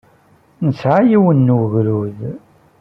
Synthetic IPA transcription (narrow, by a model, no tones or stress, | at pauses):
nəsʕajiwənːuʝɾuð